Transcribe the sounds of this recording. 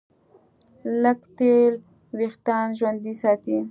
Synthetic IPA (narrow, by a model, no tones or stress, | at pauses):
lakt̪el | wext̪ɑnʒwand̪isɑt̪i